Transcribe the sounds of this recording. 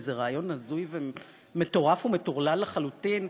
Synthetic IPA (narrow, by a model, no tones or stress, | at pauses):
zeʁaːjo̞nazujve | me̞to̞ʁafume̞toʁlalːaχalutin